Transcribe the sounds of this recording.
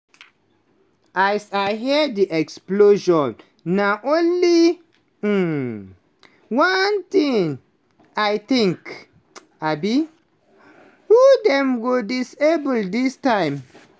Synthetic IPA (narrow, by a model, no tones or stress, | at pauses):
ʔasajɦɛdiʔɛksploʃɔ̃nː | aʔõnli | want̪ĩŋ | ajt̪ĩŋk | abi | hud̪ɛ̃mɡodisebəldistãɪ̃m